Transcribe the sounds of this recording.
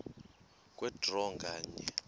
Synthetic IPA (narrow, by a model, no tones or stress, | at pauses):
kʼwɛdrɔŋɡaːɲɛ